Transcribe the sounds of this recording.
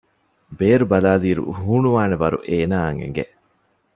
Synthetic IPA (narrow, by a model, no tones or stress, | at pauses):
beːɾubɐlaːliːɾṵɦuːnuʋaːneʋɐɾṵʔeːnaːɐŋḛŋɡḛ